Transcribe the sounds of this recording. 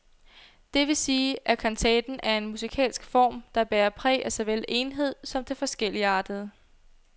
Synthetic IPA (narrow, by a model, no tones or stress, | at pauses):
d̥e̝ʋe̝siːʔækʰɒnt͡sʰɛ̰ːd̥n̩ʔæɐe̝nmusikʰɛ̰ːlsɡ̥fɒ̰ːmd̥ɑ̈b̥eːɐpʰʁɛ̰ːʔæsɑ̈ɪʋel̰e̝ːnɦe̝ð̞̰ˠsɒ̽md̥e̝fɒ̽sɡ̥el̰iəɑ̈ːd̥əð̞̩ˠ